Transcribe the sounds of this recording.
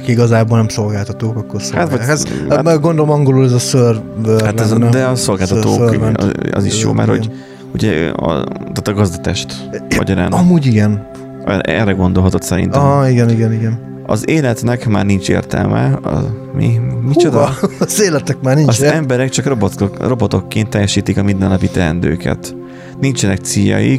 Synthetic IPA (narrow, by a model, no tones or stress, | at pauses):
kiiɡɒzaːboːlnɛmso̞lɡaːlt̪ɒt̪oːkɒkːo̞rsoat̪ʋɒɛzɛɡo̞nd̪olomɒŋɡo̞lulɛzɒsørvøhaɛzd̪ɛɒso̞lɡaːlt̪ɒt̪o̰ːø̰ɒ̰ziʃjo̰ːmɛ̰ɾhoɟ | uɟɛɒ̰t̪aːt̪ɒɡɒzd̪ɒt̪ɛʃt̪ | ɒ̰ɟɒɾa̰ːnɒmuːɟiɡɛn | ɛɛ̰rɛɡo̞nd̪olɦɒt̪o̞t̪sɛɾḭnt̪ɛmiɡɛniɡɛniɡɛn | ɒzeːlɛt̪nɛkma̰ːrnint͡ʃḛːrt̪ɛ̰lmʔɛ̰ɒ̰mḭmit͡ʃod̪ɒzeːlɛt̪ɛkmaːrninɒzɛmbɛɾɛkt͡ʃɒkrobro̞bo̞t̪o̞kːeːnt̪ːɛjːɛʃiːt̪ikɒmind̪ɛnːɒpit̪ɛɛnd̪øːkɛ̰t̪ | nint͡ʃɛnɛk̚t̪sijːɒ̰jik